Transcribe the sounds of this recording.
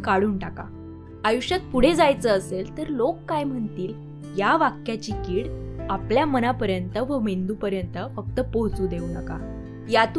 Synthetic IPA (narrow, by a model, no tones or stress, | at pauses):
kaɽuːɳʈaka̰ | ajuɕat̪̚puɽ̤ed͡zajt͡səəselt̪əɾlokːajm̤əɳt̪iːl | jaʋakjat͡ɕikiːɽapljamənapəɾjənt̪əʋəmend̪uːpəɾjənt̪əfək̚t̪əpoɦt͡suːd̪eunəka̰ | jat̪